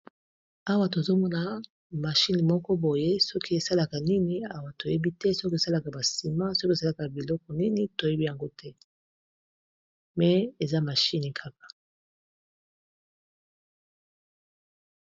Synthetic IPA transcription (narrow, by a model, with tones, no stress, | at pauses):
a˦wa˦to˨zo˦mɔ˦na˨ | ma˨ʃi˦ni˨mɔ˦kɔ˦bo˨je˦sɔ˦ki˦e˨sa˦la˨ka˨ni˦ni˨a˦˨wa˨to˨je˦bi˦tɛ˦so˦ki˦e˨sa˦la˨ka˨ba˨si˨ma˦so˦ki˦e˨sa˦la˨ka˨bi˨lɔ˦kɔ˨ni˦ni˨to˨je˦bi˦ja˨ŋɡo˦tʰɛ˦ | mɛ˨e˨za˦ma˨ʃi˦ni˨kʰa˦kḁ˨